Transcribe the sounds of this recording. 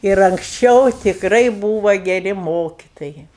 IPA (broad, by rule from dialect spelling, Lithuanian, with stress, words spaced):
ɪr ɐŋksʲˈt͡ʃʲɛʊ tʲɪkˈrɐɪ ˈbuːʋɐ ɡʲɛˈrʲɪ ˈmoːkʲɪtoːjɛɪ